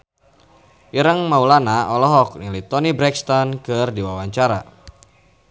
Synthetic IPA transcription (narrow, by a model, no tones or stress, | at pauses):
ʔiɾəŋmaulanaʔɔlɔɦɔk̚nilit̪ɔnibɾɛkst̪ɔnkɨrdiwawaɲt͡ʃaɾa